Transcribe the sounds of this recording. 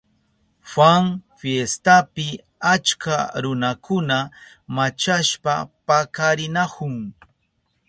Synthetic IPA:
faŋfjest̪apɪ | at͡ʃkaɾʊnakʊna | mat͡ʃaʃpapakaɾɪnakʊŋ

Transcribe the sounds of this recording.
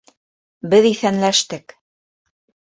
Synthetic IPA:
bɘðiθænlæʃt̪ɘk

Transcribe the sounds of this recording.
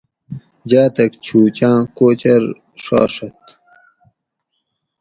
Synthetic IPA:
d͡ʑaːt̪ɐkt͡ɕʰuːt͡ɕãːkoːt͡ɕɐɾ | ʂa̰ːʂɐt̪

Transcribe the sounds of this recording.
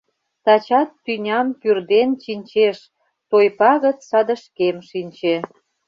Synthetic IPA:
t̪ɑt͡ɕɑt̪ːynʲɑmpyrd̪ent͡ɕinʲt͡ɕeʃ | t̪ojpɑɣə̆t͡ssɑd̪ə̆ʃkemʃinʲt͡ɕe

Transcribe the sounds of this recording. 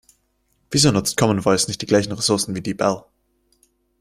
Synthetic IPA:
v̥iːzoːnʊt͡stkʰɔmənvɔɪsnɪçtd̥iːɡlaɪçn̩ʁesʊɐsn̩viːdiːbɛl

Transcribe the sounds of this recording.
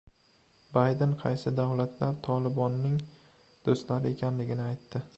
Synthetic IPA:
bajd̪enqʰɑjsɪd̪awlat̪ʰlaɾt̪ʰɒlɪbɒnːɪŋ | d̪̥ost̪laɾɪekʲʰanlɪɡʲɪnɪajt̪ːɪ

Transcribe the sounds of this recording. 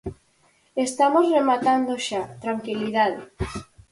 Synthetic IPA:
est̪amozremat̪and̪oʃat̪ɾaŋkiliðaðe

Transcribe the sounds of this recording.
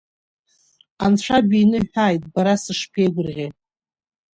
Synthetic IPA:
ant͡ɕʷʰabiːnɨħʷᶣaːjtʼbaɾasɨʂpʰejɡʷʊrʁʲe

